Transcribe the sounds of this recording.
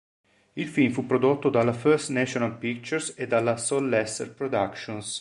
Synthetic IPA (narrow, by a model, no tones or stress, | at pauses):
ilfimfupːɾod̪ot̪ːod̪alafɛɾst̪nɛʃonalpik̚t͡ʃɛɾsed̪alasolːɛst̪ḛɾpɾod̪akʃõns